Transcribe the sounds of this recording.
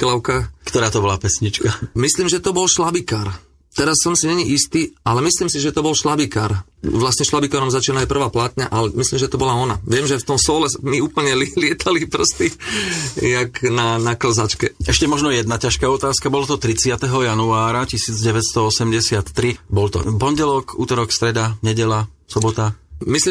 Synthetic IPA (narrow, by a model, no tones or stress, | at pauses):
klaʊkakt̪ɔɾaːt̪ɔbɔlapɛsɲit͡ʃkamisliːmʒɛt̪ɔbɔlʃlabikaːɾ | t̪ɛɾasːɔmsiɲɛɲiʔist̪iːalɛmisliːmsiʒɛt̪ɔbɔlʃlabikaɾ | ʋlasɲɛʃlabikaːɾɔmzat͡ʃiːnaajpr̩ʋaːplaːt̪ɲa̰ʔalɛmisliːmʒɛt̪ɔbɔlaɔnaʋɪɛmʒɛft̪ɔmsɔːlɛmiuːpl̩ɲɛllɪɛt̪ʰalipr̩st̪i | jaknanakl̩zat͡ʃkɛɛʃcɛmɔʒnɔjɛd̪nacaʃkaːɔt̪aːskabɔlɔt̪ɔt̪ɾit͡sɪat̪ɛɦɔjanuaːɾacisiːd͡zɟɛʋɛcst̪ɔɔsɛmɟɛsɪat̪ːɾibɔlt̪ɔ̰pɔɲɟɛlɔkuːt̪ɔɾɔkst̪ɾɛd̪aɲɛɟɛlasɔbɔt̪amisli